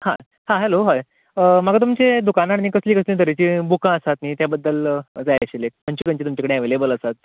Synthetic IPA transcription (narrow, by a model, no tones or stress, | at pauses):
hã̰ | hãɦɛloɦaj | əməɡat̪umt͡ɕed̪ukanaɽniːkəsliːkəslĩd̪əɾet͡ɕiːbukãəsat̪nit̪jabəd̪ːəld͡zajaɕelem̤əɳt͡ɕik̪aɲt͡ɕet̪umt͡ɕakəɽeaʋelebələsat̪̚